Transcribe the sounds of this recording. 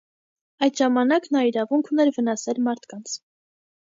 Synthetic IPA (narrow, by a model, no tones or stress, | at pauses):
ɑjt̪ʒɑmɑnɑknɑiɾɑvuŋkʰunɛɾvənɑsɛlmɑɾt̪ʰkɑnt͡sʰ